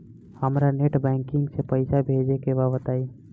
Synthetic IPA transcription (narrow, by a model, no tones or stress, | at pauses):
həmɾaneʈbɛ̃ŋkɪŋɡsepəɪsabʱed͡ʒekebabət̪ai